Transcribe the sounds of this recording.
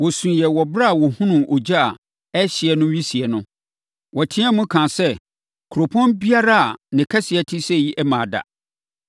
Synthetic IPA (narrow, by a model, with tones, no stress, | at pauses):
wɔ˨sũ˨jɛ˨wɔ˨bɾa˦a˨wɔ˨hʊ̃˦nʊ̃˨ʔo˨d͡ʑa˦a˨ | ɛ˦ɕɪ˨ɛ˨nʊ̃˦ɥi˦si˨ɛ˨nʊ̃˦ | wɔ˨tʰĩ˦a˦mʊ̃˦kʰã˨sɛ˦ | kʰʊ˨ɾo˨pʰɔ̃˦nbi˦a˦ɾa˦a˨nɪ̃˨kʰa˦sɪ˨ɛ˨tʰɪ˦sɛ˦˨ji˦ʔɛ˦mã˨da̰˨